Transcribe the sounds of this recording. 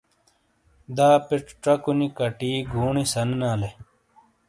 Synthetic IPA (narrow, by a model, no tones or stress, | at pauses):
d̪aːpiʈ͡ʂʈ͡ʂɐkunikɐʈiːɡʱuːɳisɐnnaːle